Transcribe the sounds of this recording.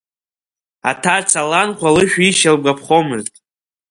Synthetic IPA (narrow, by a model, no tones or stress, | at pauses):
atʰart͡sʰalanχʷalɨʃᶣiʃalɡʷapʰχomɨrtʼ